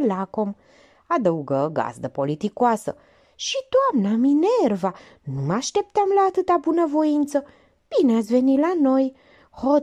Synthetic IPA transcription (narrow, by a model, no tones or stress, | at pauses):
lakom | ad̪əuɡəɡa̰zd̪əpo̞lit̪ikoasə̰ | ʃid̪oamnaminerva | numaʃt̪e̞p̚t̪amlaːt̪ɨt̪abunəvo̞int̪sə | b̥ineat̪sʲve̞nilano̞j | ho